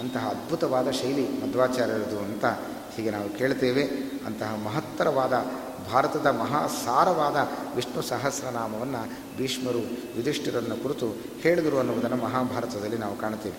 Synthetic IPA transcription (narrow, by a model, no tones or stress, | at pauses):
ɐnt̪ɐɦɐːd̪bʱut̪ɐʋaːd̪ɐʃɐjlimɐd̪ʋaːt͡ʃaːɾjɐɾɐd̪uɐnt̪ɐ | hiːɡenaːʋukeːɭt̪eːʋe̞ɐ̰nt̪ɐɦɐmɐɦɐt̪ːɐɾɐʋaːd̪ɐ | bʱaːɾɐt̪ɐd̪ɐmɐɦaːsaːɾɐʋaːd̪ɐʋiʂɳusaːɦɐsɾɐnaːmɐʋɐnːɐ | biːʂmɐɾuʋid̪iʂʈɐɾɐnːukuɾit̪u | heːɭd̪ɐɾuɐnːuʋud̪ɐnːɐmɐɦaːbʱaːɾɐt̪ɐd̪ɐlːinaːʋukaːɳt̪ːeːʋe